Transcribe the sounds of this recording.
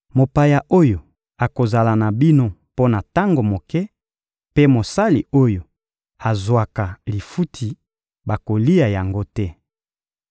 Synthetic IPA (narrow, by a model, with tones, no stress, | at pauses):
mo˨pa˨ja˨ʔo˦jo˨ | a˨ko˨za˨la˨na˨bi˦no˦po˦na˨ta˦ŋɡo˨mo˨kɛ˦ | pe˦mo˨sa˦lḭ˨o˦jo˨ | a˨zwa˨ka˨li˨fu˦tʰi˨ | ba˨ko˨li˦a˨ja˨ŋɡo˦tɛ˦